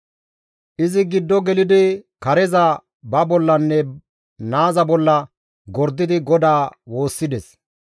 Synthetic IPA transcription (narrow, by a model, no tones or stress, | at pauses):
ʔɪzɪɡɪd̪ːɔɡɛlɪd̪ɪkɐɾɛzɐ | bɐbɔlːɐnːɛ | naːzɐbɔlːɐ | ɡɔɾd̪ːɪd̪ɪɡɔd̪aːwo̞ːsːɪd̪ɛs